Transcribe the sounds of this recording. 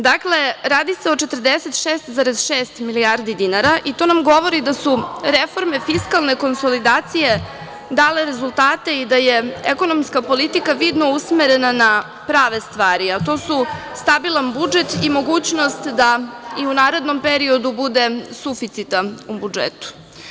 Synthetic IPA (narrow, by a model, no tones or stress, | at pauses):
d̪akle̞ɾaːd̪ise̞ot͡ʃe̞t̪r̩d̪eset̪ʃeːst̪zaɾezʃeːst̪miliaɾd̪id̪inaɾaʔit̪o̞namɡo̞ʋo̞ɾid̪asuɾefo̞ɾme̞fiskalˠne̞ko̞nso̞lid̪aːt̪sije̞ | d̪aːle̞ɾe̞zulˠt̪aːt̪e̞id̪ajeeko̞no̞mskapo̞lit̪ikaʋid̪no̞usmeɾe̞nana | pɾaːʋest̪ʋaːɾiat̪o̞ːsu | st̪abilˠanbud͡ʒe̞t̪imo̞ɡuːt͡ɕno̞st̪d̪aiunaːɾe̞d̪no̞mpeɾio̞d̪ubud̪e̞sufit̪sit̪aubud͡ʒḛt̪u̥